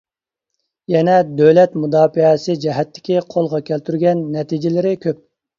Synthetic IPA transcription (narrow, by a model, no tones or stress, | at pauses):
jɛnɛd̪øwlɛt̪mud̪ɑːfiɛsɪd͡ʒɛɦɛt̪ʰːɪ̥kʲiqʰolˠʁɑkʲʰælt̪ʰyɾɡʲɛnːɛt̪id͡ʒɪlɪɾɪkʲøp̚